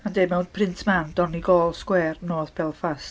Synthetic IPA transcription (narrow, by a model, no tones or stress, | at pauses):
andemɛwndpʰrɪntʰmandɔniɡɔːlˠskwɛːrnoːðpʰɛlˠfas